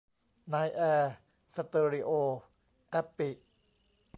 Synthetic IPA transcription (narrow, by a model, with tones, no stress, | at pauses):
naː˧jʔɛː˧ | sa˧t̪ɤː˧ɾi˧ʔoː˧ | ʔɛ˦˥pːi˨˩ʔ